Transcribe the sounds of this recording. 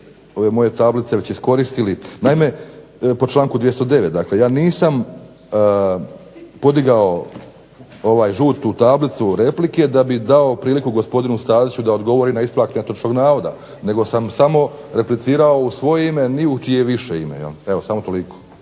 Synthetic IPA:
o̞ʋe̞mo̞je̞t̪ablit̪seʋe̞t͡ɕisko̞ɾist̪ilinajme̞po̞t͡ʃlˠaːŋkud̪jest̪od̪e̞ʋe̞t̪̚d̪akle̞jaːniːsam | po̞d̪iɡao̞ | oʋaːjʒuːt̪ːut̪aːblit̪suɾe̞plike̞d̪abid̪ao̞pɾiːlikuɡo̞spo̞d̪inust̪aːd̪it͡ɕud̪aod̪ɡo̞ʋo̞ɾinaisplˠaːk̪eɲat̪ot͡ʃno̞ɡnaːʋo̞d̪a̰ | ne̞ɡo̞samsamo̞ | ɾe̞plit̪siːɾao̞usʋo̞jeime̞niut͡ʃijeʋiʃeimḛjḛle̞ʋosamot̪o̞liko̥

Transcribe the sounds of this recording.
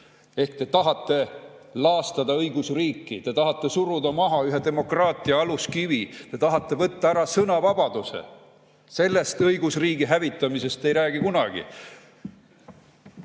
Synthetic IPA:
e̞hkt̪e̞t̪ɑɦɑt̪ːe̞lɑːst̪ɑd̪ɑɤjɡ̥usriːkːit̪e̞t̪ɑɦɑt̪ːe̞suɾud̪ɑmɑɦɑyɦe̞d̪e̞mo̞krɑːt̪ˑiɑɑluskivit̪e̞t̪ɑɦɑt̪ːˑe̞vɤt̪ːɑæɾɑsɤnɑvɑb̥ɑd̪̥use̞̰ | se̞lːe̞st̪ɤjɡusriːɡiɦævit̪ːˑɑmise̞st̪e̞jɾæːɡikunɑɡ̥ḭ

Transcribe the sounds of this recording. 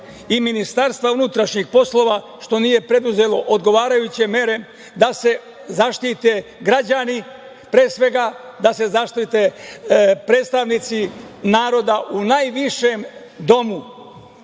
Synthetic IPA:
iminist̪aɾst̪vʋaunut̪ɾaʃɲixpo̞slo̞ːʋa | ʃt̪o̞nije̞pɾe̞d̪uze̞lo̞ʔod̪ɡo̞ʋaːɾajut͡ɕe̞me̞ɾe̞ | d̪ase̞ | zaʃt̪it̪eɡɾad͡ʑani | pɾeːsʋe̞ɡad̪ase̞zaʃt̪it̪e̞ | pɾeːt̪st̪aʋnit̪sinaːɾo̞d̪aʔunajʋiʃe̞m | d̪o̞mu

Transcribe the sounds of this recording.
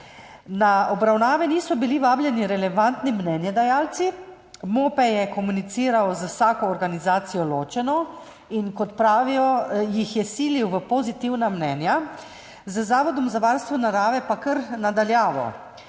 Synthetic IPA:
naɔbɾawnaːʋɛniːsɔbiliʋaːbljɛniɾɛlɛʋant̪nimnɛːnjɛd̪ajaːlt̪si | moːpɛjɛkɔmunit̪siːɾawzəwsaːkɔːɾɡanizaːt̪sijɔloːt͡ʃɛnɔ | inkɔt̪pɾaːʋijɔjixjɛsiːliwʋəpozit̪iwnamnɛnja | zəzaːʋɔd̪ɔmzaʋaːɾst̪ʋɔnaɾaːʋɛpakəɾnad̪aljaːʋɔ̰

